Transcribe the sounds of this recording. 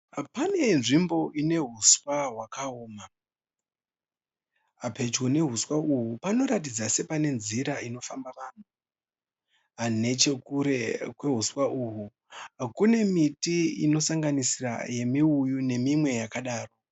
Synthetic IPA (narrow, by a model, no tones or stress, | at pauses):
pane̞nʐimbo̞ine̞ɦuswaɦwakaoːma | ape̞t͡ʃwone̞ɦuswauɦupano̞ɾatid͡zase̞pane̞nziɾaino̞fambaʋaːn̤u | ane̞t͡ʃe̞kuɾekwe̞ɦuswaʔuɦu | kune̞mitiḭno̞saŋɡanisira̰je̞miujune̞mimwe̞jakaɗaːro̞